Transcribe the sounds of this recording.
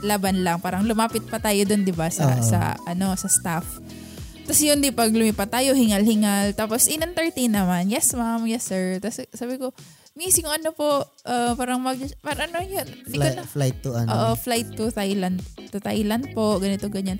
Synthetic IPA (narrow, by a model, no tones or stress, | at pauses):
laːbanlɐŋpaːɾɐŋlʊmaːpɪt̪̚pɐt̪aːjod̪ond̪ɪbasɐ̰sɐ̰ʔɐno̞sɐst̪af | t̪ɐsjʊnd̪ipɐɡlʊmiːpɐt̪aːjo̞hɪŋɐlhɪŋalt̪aːpo̞sʔɪnɐŋt̪ɛɹt̪inːɐmanjɛsmamjɛsːɛɹt̪ɐssaːbɪko̞ | misjʊŋɐnopo̞ʔ | ʔɐpaːɾɐŋmɐɡ̚paːɾɐŋʔɐnojond̪kolajt̪ːʊɐ̰nʔoːʔoflajt̪ːʊt̪ajlɐnd̪̚t̪ʊt̪a̰jlɐnd̪̚po̞ʔɡɐnɪt̪o̞ɡɐɲan